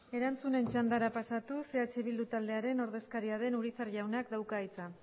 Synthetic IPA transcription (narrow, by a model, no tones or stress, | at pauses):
e̞ɾant͡sune̞nt͡ʃand̪aɾapasat̪use̞at͡ʃe̞β̞ild̪ut̪ald̪e̞aɾe̞no̞ɾðe̞skaɾiaðe̞nuɾisaɾʎawnakd̪awkaːjt͡sa